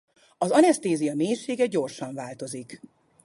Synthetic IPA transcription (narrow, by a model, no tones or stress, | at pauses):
ɒzɒnɛst̪eːzijɒmeːjʃeːɡɛɟo̞rʃɒɱvaːlt̪o̞zik